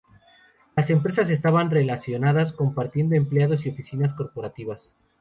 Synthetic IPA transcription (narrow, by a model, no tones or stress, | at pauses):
lase̞mpɾe̞sas̬e̞s̬t̪aβanre̞lasjo̞naðasko̞mpaɾt̪je̞nd̪o̞empleaðo̞s̬io̞fisinas̬ko̞ɾpo̞ɾat̪iβas